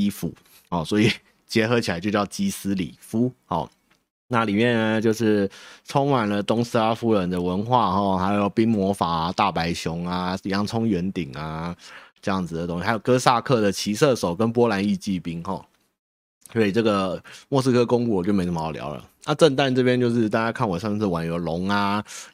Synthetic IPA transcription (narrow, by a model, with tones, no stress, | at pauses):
i˥fṵ˨˩˦ | hɔ˥˩swɔ˧˥i˨˩ | t͡ɕjɛ˧˥xɤ˧˥t͡ɕʰa˧˦ɪt͡ɕjjɑ˥˩ʊt͡ɕi˧˥sɹ̩˥lḭ˨˩fu˥xɔ̰˥˩ | na˥˨li˨˩mjɛ˥˩nə˩t͡ɕjo˥˧ʊʂɻ̩˥˩ʈ͡ʂʰʊ˥ŋma˨˩nlə˨t̪ʊ˥ŋs̩˥a˧fu˥ɻə˨˩nd̪ə˨wə˧˥nxwa˥˧xɔ˥˩xa˧˥ɪjo˨˧˨pi˥ŋmwɔ˧˥fa˨˩a˨t̪a˥˩pa˧˥ɪɕjʊ˧˥ŋa˨˩˧jɑ˧˥ŋt͡sʰʊ˥ŋɥɛ˧˥nt̪i˨˩ŋa˩ʈ͡ʂɤ˥˧jɑ˥˩ŋd͡zɹ̩˩d̪ə˩t̪ʊ˦˥ŋɕi˧˩a˧˥jkɤ˥sa˥˧kʰɤ˥˩d̪ə˩t͡ɕʰi˧˥sɤ˥˩ʂo˨˩ʊkə˦npwɔ˥la˧˥ni˥˧t͡ɕi˥˩pi˥ŋxɔ˥˩ | swɔ˧˥i˨˩ʈ͡ʂɤ˥˩ɡə˩mwɔ˥˧˩s̬̩˥kʰɤ˥kʊ˥ŋku˥˩wɔ˨˩t͡ɕjo˥˩ʊme˧˥ʂljɑ̰˧˥ʊlə̰˨na˥˧ʈ͡ʂə˥˧nt̪a˥˧nʈ͡ʂɤ˥˧˩pjɛ˥nt͡ɕjo˥˧ʊʂ̬ɻ̩˥˧t̪a˥˧t͡ɕa˥kʰa˥˩nwɔ˨˩ʂa˥˧ɛ˥ʂ̩˥˩wa˨˩njo˧˥ʊlʊ˧˥ŋa˧˩